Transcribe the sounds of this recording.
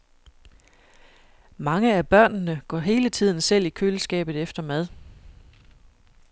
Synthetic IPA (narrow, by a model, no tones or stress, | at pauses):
mɑ̈ŋəæb̥ɶɐ̰nnəɡ̥ɒ̰ɦe̝ːlət͡sʰið̰ˠn̩sel̰ikʰølsɡ̥ɛ̰ːb̥ð̞̩ˠefd̥ɐmæð̞ˠ